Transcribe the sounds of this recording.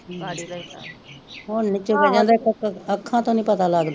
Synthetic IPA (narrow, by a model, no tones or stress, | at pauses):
ɦoːnɪt͡ʃoːbəd͡ʒãːnd̪akəkəkʰːãːt̪õːnĩːpət̪aːlaːɡd̪aː